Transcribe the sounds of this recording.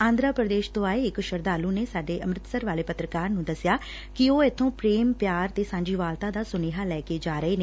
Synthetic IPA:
ãːnd̪ɾaːpɾəd̪eːʃt̪õːaːeːɪkʃəɾd̪aːluːneːsaːɖeːʔəmɾɪt̪səɾʋaːleːpət̪ɾəkaːɾnũːd̪əsjaː | kɪoːɪt̪ʰːõːpɾeːmpjaːɾt̪eːsãːɲd͡ʒiːʋaːlt̪aːd̪aːsʊneːɦaːlɛːkeːd͡ʒaːɾəeːne

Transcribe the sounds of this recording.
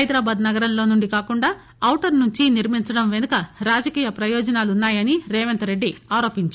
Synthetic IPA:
ɐjd̪ɾaːbaːd̪nɐɡɐɾɐmloːnuɳɖikaːkuɳɖaː | ɐwʈɐɾnuɲt͡ʃiniɾmiɲt͡ʃɐɽɐmʋe̞nukɐɾaːd͡ʒɐkiːjɐpɾɐjɔːd͡ʒɐnaːlunːaːjɐniɾɛːʋent̪ɐɾeɖːiaːɾo̞ːpiɲt͡ʃu

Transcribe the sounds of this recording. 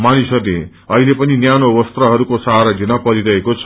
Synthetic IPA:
manisʌɾle | ʌɦilepʌninjanobʌst̪rʌɦʌɾukosaɾadʱinʌpʌɾiɾʌɦekot͡sʰʌ

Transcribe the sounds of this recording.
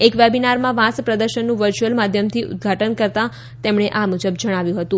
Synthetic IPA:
ekʋebinaɾmãʋãspɾəd̪əɾʃənːũʋəɾt͡ʃuəlmad̪ʱjəmt̪ʰiʔʊ̰d̪̚ɡʱaʈənkəɾt̪ã | t̪emɳ̃eʔamud͡ʒəbd͡ʒəɽ̃aʋjũɦət̪ũ

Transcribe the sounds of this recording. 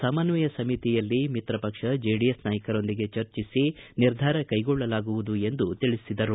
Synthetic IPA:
saːmaːnʋɐjɐsɐmit̪ijɐlːimit̪ɾɐpɐkʂɐd͡ʒeːɖijesnaːjɐkɐɾo̞nd̪iɡe̞t͡ʃɐɾt͡ʃisiniɾd̪ʱaːɾɐkɐjɡɔɭːɐlaːɡuʋud̪ue̞nd̪ut̪iɭisid̪ɐɾu

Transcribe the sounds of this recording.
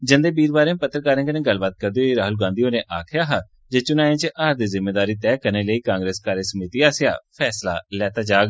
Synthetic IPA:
d͡ʒə̃nd̪eːbiːɾbaːɾẽːpət̪ːɾkaːɾẽːkənẽːɡəlbaːt̪̚kəɾd̪eoːiːɾaːɦʊlɡãːnd̪iːoːnẽːʔaːkʰjaːɦaː | d͡ʒeːt͡ʃʊnaːẽːt͡ʃəʔaːɾd̪iːzɪmːeːd̪aːɾiːt̪ɛːkəɾneːləiːkãːŋɡɾeːskaːɾjəsəmiːt̪iːaːsɪja̰ːpʰɛːsla̰ːlɛːt̪aːd͡ʒaːɡ

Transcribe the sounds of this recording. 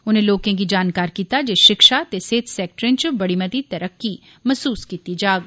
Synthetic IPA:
ʊnẽloːkẽk̬id͡ʒaːnkaːɾkiːt̪ad͡ʒeːʃɪkʃat̪eseːt̪sɛːk̚ʈɾẽnt͡ʃʊbɐɽimət̪it̪ɐɾəkːi | mɐsuːskiːt̪id͡ʒaːɡ

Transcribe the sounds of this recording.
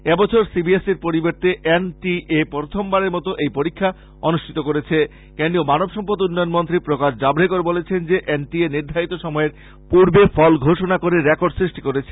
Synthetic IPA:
ebɔt͡ɕʰoɾsibieseɾpoɾibeɾt̪eʔenʈiʔepoɾt̪ʰombaɾeɾmɔt̪oʔejpoɾikʰːa | ɔnuʃʈʰit̪okoɾet͡ɕʰe | kenɖɾiomanobʃɔmpod̪unːɔjonmont̪ɾipɾokaʃd͡ʑabɾekoɾbolet͡ɕʰend͡ʑeʔenʈieniɾd̪ʱaɾit̪oʃɔmɔeɾ | puɾbefɔlɡʱoʃonakoɾeɾekoɾɖsɾiʃʈikoɾet͡ɕʰe

